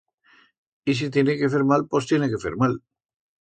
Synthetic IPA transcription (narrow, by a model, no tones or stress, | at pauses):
is̬it̪je̞nekefe̞ɾmalpo̞st̪jeneke̞θḛɾmal